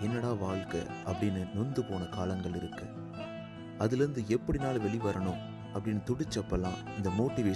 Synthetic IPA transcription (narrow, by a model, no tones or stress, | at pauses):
ɛnːɐɽãːʋaːɭkɐ̰ | ʔɐpːɐɽɪnːɯnʊnd̪ɯpoːnɐkaːlɐŋɡɐɭɪɾɯkːɐ | ʔɐðɪlɪɾɯnd̪ɯɛpːɐɽɪnaːlɐʋɛɭɪʋɐɾɐɳʊ̃m | ɐpːɐɽɪnːɯt̪ʊɽɯt͡ʃːɐpːɐlãːɪnd̪ɐmoːʈːɪʋeː